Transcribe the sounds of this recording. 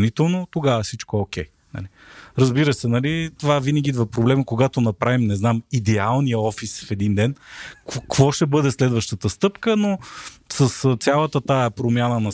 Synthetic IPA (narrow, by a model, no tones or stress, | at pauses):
nit̪ɛlˠnot̪oɡavɐsit͡ʃkook̟ɛj | nɐ̰li | ɾɐzbiɾəsɛnɐlit̪ovavinəɡʲiid̪vɐpɾoblɛməkoɡat̪onɐpɾavimnɛznamid̪ɛalˠnijəɔfisfɛd̪ind̪ɛnkkvɔʃt̪ɛbɤd̪ɛslɛd̪vəʃt̪ət̪əst̪ɤpkənosəst̪sʲjalˠət̪ət̪aɛpɾomʲjanənɐ